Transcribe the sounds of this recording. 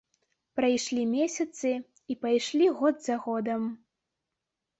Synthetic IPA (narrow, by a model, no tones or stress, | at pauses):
pɾajʂlʲimʲesʲɐt̪sɨ | ipajʂlʲiɣɔd̪zɐɣɔd̪ɐm